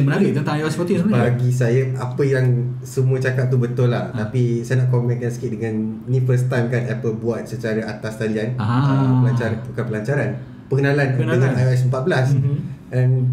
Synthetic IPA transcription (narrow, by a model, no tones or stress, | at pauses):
mənaɾit̪ənt̪ãŋajoɛspɔt̪isəbaɡis̬ajaapəjaŋsəmuət͡ʃakap̚t̪ubət̪ʊlaht̪apisajənaʔkomɛ̃nkansəkit̪̚dəŋãnnĩfərst̪ankanɛpəlbuat̪̚sət͡ʃaɾaat̪ast̪alianapəlaɲt͡ʃaɾpukapəlaɲt͡ʃaɾan | pəɡənãlankəəɲanajoɛs̬əmpat̪̚bəlasdan